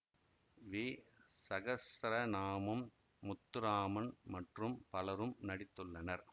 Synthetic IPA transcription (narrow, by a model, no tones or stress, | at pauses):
ʋiːsɐɣɐsɾɐnaːmɯmː | ʊt̪ːɯɾaːmɐnmɐʈrɯmpɐlɐɾɯmnɐɽɪt̪ːɯɭːɐnɐɾ